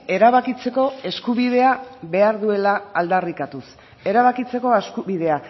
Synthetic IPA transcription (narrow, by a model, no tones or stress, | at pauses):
e̞ɾaβakit͡se̞ko̞e̞skuβ̞iðe̞aβe̞aɾðue̞laald̪arikat̪us | e̞ɾaβakit͡se̞ko̞eskuβið̞e̞a